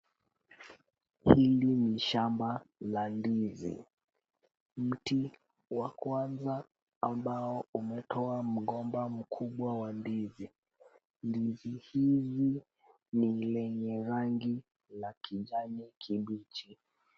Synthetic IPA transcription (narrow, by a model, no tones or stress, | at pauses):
hiliniʃambalandizḭ | m̩ti | wakwanzaː | mbaɔumɛtʰɔam̩ɡɔmbam̩kʰuɓwawandizi | ndizihizi | nilɛɲɛɾaŋɡi | lakʰiʄanikʰiɓit͡ʃi